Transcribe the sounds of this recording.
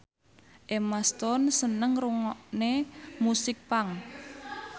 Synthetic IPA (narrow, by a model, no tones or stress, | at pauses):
ʔemast̪ɔnsənəŋruŋɔʔnemusɪk̚paŋ